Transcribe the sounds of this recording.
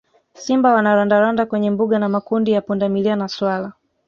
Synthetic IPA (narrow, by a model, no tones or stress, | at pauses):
simbawanaɾandaɾandakwɛɲɛmbuɠanamakundijapundamilianaswala